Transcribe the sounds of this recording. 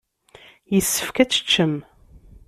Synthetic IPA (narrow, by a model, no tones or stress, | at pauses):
jəsːə̥fkæt͡sːə̥t͡ʃːəm